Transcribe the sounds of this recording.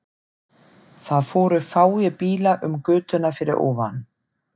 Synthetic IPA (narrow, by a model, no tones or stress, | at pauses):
θaðfɔːɾʏfaːwjɪpiːlaʔʏmkʏːt̪ʏnafɪɾɪɾɔ̰ːvan